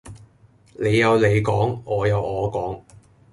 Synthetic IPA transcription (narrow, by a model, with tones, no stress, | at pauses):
le˨˧jːɐ˨˧wle˨˧jkɔː˨˥ŋɔː˨˧jɐ˨˧wɔː˨˧kɔː˨˥ŋ